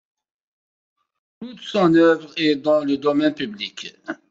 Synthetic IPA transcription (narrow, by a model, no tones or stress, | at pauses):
t̪ut̪sɔ̃nœvʁɛd̪ɑ̃ləd̪ɔmɛnpyblik